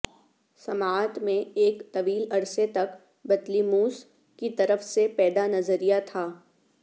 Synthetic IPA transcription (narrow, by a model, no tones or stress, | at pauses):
sɐmaːt̪mẽeːkt̪ɐʋiːlɐɽset̪ɐk | bɐd̪limuːs | kit̪ɐɾəfsepɛːd̪anɐzəɾijat̪ʰaː